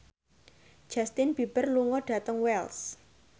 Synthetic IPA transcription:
d͡ʒ̥ast̪ɪnb̥i̤b̥ə̤rluŋɔɖ̥ä̤t̪əŋwɛls

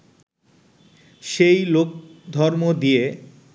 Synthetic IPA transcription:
ʃejlok̚d̪ʱɔɾmod̪ije

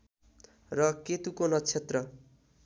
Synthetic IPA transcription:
rʌket̪ukonʌt͡sʰet̪rʌ

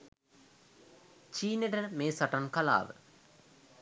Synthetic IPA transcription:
t͡ʃiːneʈəmeːsɐʈankɐla̰ːʋə̰

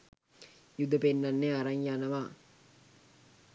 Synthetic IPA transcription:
jud̪əpenːanːeaɾaŋjanəʋaː

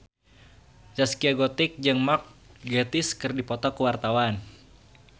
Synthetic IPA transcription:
d͡ʒaskiaɡɔt̪ɪk̚d͡ʒɨŋmak̚ɡet̪ɪskɨrdipɔt̪ɔkuwart̪awan

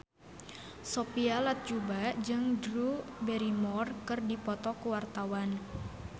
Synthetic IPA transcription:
sopialat̪̚d͡ʒubad͡ʒɨŋdɾubeɾimɔrkɨrdipɔt̪ɔkuwart̪awan

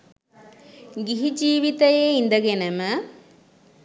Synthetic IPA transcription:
ɡiɦid͡ʒiːʋit̪ɐjeːind̪ɐɡenɐmɐ

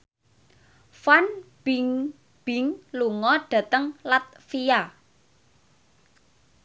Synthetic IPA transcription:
fanb̥iŋ | b̥iŋluŋɔɖ̥ä̤t̪əŋlat̪̚fija

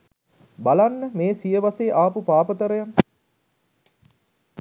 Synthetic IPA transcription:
balanːəmeːsijəʋaseːʔaːpupaːpət̪əɾəjaŋ

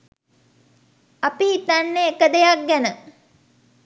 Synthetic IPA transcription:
apiit̪anːeːkəd̪ejak̚ɡænə

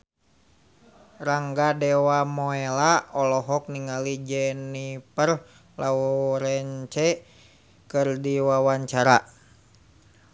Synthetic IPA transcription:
raŋɡadɛwamɔelaɔlɔɦɔk̚niŋalid͡ʒɛnipər | lauɾɛɲt͡ʃɛ | kɨrdiwawaɲt͡ʃaɾa

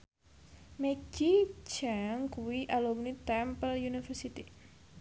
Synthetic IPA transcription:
med͡ʒit͡ʃaŋkuwiʔalomnit̪ɛmpəljunifərsit̪i

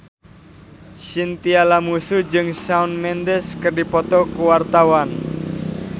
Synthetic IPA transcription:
sint̪ialamusud͡ʒɨŋsaunmɛndɛskərdipɔt̪ɔkuwart̪awan

